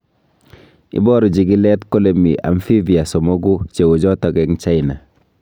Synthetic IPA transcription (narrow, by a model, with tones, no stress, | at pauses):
ḭ˦bɔ˦ɾi˨d͡ʒi˨ɡi˦lɛ˦tko˦le˨mi˨ʔa̰˨mfi˦vi˨a˨sɔ˨mo˦ɡu˦t͡ʃe˨ɡo˨d͡ʒɔ˦tɔ˨kɛ˦kt͡ʃa˦ɪna˨